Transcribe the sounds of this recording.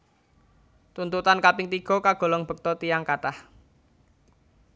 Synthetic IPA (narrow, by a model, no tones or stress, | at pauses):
t̪unt̪ut̪ankapɪŋt̪iɡ̥ɔ̤kaɡ̥ɔ̤lɔŋb̥ə̤k̚t̪ɔt̪ijaŋkaʈah